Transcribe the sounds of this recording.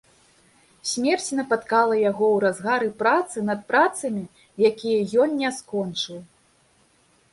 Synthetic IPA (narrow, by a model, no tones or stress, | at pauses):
sʲmʲɛrt͡sʲinɐpat̪kalˠɐjaɣɔwɾazɣaɾɨpɾat̪sɨnɐt̪̚pɾat̪sɐmʲi | jakʲijɐjɔnnʲɛskɔnt͡ʂɨw